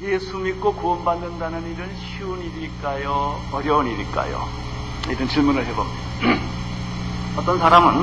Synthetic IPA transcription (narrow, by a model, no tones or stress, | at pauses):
jesʰumikk͈okombandɯndanɯniɾɯnɕʰiuniɾik͈ajo | ʌɾjʌniɾik͈a̰jo̰ | iɾʌnt͡ɕiɭmunɯɭɦebʌmni | ʌt̪͈ʌnsʰaɾamɯn